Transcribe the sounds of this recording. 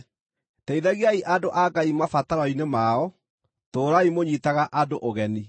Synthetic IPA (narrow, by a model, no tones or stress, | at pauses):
taiðaɣiaiʔadoʔaɡaimafataɾainemaɔ | toːɾaimoɲitaɣaʔadoʔoɣɛni